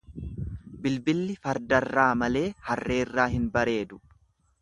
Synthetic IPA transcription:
bɪlbɪlːɪfɐɾd̪ɐrːaːmɐle̞ːhɐrːe̞ːrːaːhɪnbɐɾe̞ːd̪ʊ

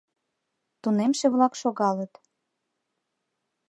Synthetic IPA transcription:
t̪unemʃeβlɑkʃoɣɑlət̪

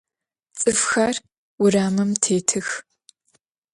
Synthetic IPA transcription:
t͡sʼɨfxɐr | wʊraːmɨmtʰeːtʰɨx

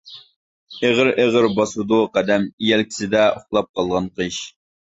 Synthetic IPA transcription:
eʁəɾeʁəɾbɑsud̪uqæd̪ɛmijɛlkʲi̥sɪd̪ɛoχlˠɑp̚qʰɑlˠʁɑnqʰɨʃ

